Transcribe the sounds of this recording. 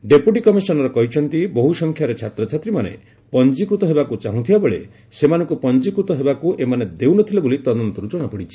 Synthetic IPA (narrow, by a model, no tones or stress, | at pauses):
ɖepjuʈikɔmisɔnɔɾɔkɔɦit͡ʃʰɔnt̪iboɦusɔŋkʰjaɾet͡ʃʰat̪ɾɔt͡ʃʰat̪ɾimanḛ | pɔnd͡ʒikɾut̪ɔɦebakut͡ʃaɦũt̪ʰibabeɭḛ | semanɔ̃ŋkupɔnd͡ʒikɾut̪ɔɦebakuʔemaned̪ewnɔt̪ʰilɔbolit̪ɔd̪ɔnt̪ɔɾud͡ʒɔɽ̃apɔɽit͡ʃʰi̥